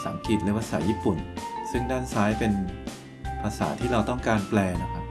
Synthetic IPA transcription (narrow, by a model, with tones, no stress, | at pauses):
sa̰ː˩˦ŋki˨˩t̪̚lɯ˨˦pʰa˧sa̰ː˩˦jiː˥˩pu˨˩nsɯ˥˩ŋdaː˥˩nsaː˦˥jpe˧n | pʰaː˧sa̰ː˩˦t̪ʰiː˥˩ɾa˧wt̪ɔ˥˩ŋkaː˧nplɛː˧na˦˥kʰa˦˥p̚